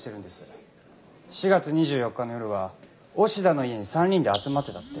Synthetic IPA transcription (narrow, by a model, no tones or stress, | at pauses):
t̪eɾɯ̟̃nd̪e̞sɨ | ɕiɡat͡sɨɲ̟iʑɨːjo̞kːanojo̞ɾɯ̟βa | o̞ɕid̪ano̞ieɲ̟isãɲʲːĩnd̪e̞at͡sɨmat̪ːe̞t̪at̪ːe